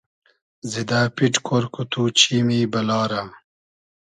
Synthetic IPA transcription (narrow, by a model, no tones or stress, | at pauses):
zid̪aːpiʈkʰoɾkut̪uːt͡ɕʰiːmiːbɐlɑːɾa